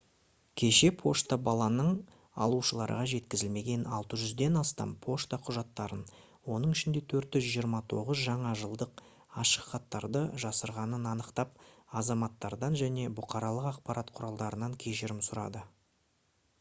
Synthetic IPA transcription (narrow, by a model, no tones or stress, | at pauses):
kʲʰe̞ʃe̞pʰo̞ʃt̪abɑlˠɑnəɴ | ɑ̰lˠuʃəlˠɑɾə̰ʁɑʒe̞t̪kʲɪzɪlme̞ɡʲe̞nɑ̰lˠt̪əʒʏzd̪e̞nɑst̪ɑ̰mpʰo̞ʃt̪aqʰʊʒɑt̪ːɑɾən | wo̞nəɴɪʃɪnd̪e̞t̪ʰɵɾt̪ɪʒijəɾmɑt̪ʰo̞̰ʁəzʒɑɴɑʒəlˠd̪əq | ɑʃə̥qχɑt̪ːɑɾd̪əʒɑsəɾʁɑnənɑnəqt̪ɑp̚ɑzɑmɑt̪ːɑɾd̪ɑnʒæne̞bʊqɑɾɑlˠəqɑqpɑɾɑt̪qʰʊɾɑlˠd̪ɑɾənɑŋkʲʰe̞ʃɪɾɪmsʊɾɑ̰d̪ə